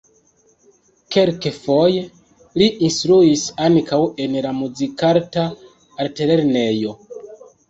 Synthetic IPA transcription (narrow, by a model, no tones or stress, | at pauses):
ke̞lkefo̞je̞ | liʔinstɾuisankʰawe̞nlamuzikaɾtaː | ɾtele̞ɾne̞jo̞